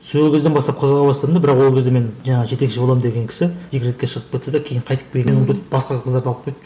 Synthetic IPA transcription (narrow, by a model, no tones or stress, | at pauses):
sɵlkʲezd̪ebɑst̪ɑp̚qʰəzʁɑbɑst̪ɑd̪əmd̪ɑbɪɾɑqwo̞lˠkʲʰzd̪eme̞nʒɑɴɑʁʒe̞t̪e̞kʃɪbo̞lˠɑmnd̪eɡʲe̞ŋkʲʰɪ̥sɪd̪ʰijkɾet̪kʲe̞ʃəʁəp̚kʲet̪ːɪd̪ekʲʰejɪɴqʰɑjt̪ə̥p̚ʲʰemenomʊt̪pbɑsqɑʁqʰəzd̪ɑɾd̪ɑlˠəp̚qʰːojt̪